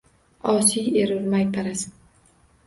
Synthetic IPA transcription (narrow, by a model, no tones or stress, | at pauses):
ɒsijeɾʊɾmajt̪ʰaɾas